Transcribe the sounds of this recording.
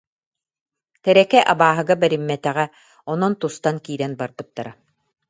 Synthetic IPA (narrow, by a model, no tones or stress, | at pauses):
t̪ɛɾɛkɛʔabaːɦɯ̆ɡabɛɾimːɛt̪ɛʁɛ | ɔnɔnt̪ust̪ankiːɾɛnbaɾbɯt̪ːaɾa